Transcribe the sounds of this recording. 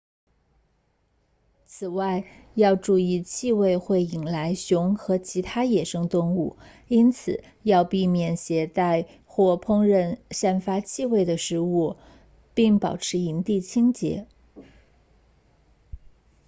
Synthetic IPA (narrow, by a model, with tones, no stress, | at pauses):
t͡sʰɹ̩˨˩wa˥˧ɪ | jɑ˥˧ʊʈ͡ʂu˥˧i˥˧t͡ɕʰi˥˧we˥˧ɪxwe˥˩ɪi˨˩ŋla˧˥ɪɕjʊ˧˥ŋxɤ˧˥t͡ɕʰi˧˥t̪ʰa˥jɛ˨˩ʂɤ˥ŋt̪ʊ˥˧ŋu˥˩ | i˥nt͡sʰɹ̩˨˩˦ | jɑ˥˧ʊpi˥˧mjɛ˨˩nɕjɛ˧˥t̪a˥˧ɪ | xwɔ˥˩pʰʊ˥ŋɻə˥˧nʂa˥˩nfa˥t͡ɕʰi˥˧we˥˩ɪd̪ə˩ʂɻ̩˧˥u˥˩ | pi˥˩ŋpɑ˨˩ʊʈ͡ʂʰɻ̩˧˥i˧˥nt̪i˥˩t͡ɕʰi˥ŋt͡ɕjɛ̰˧˥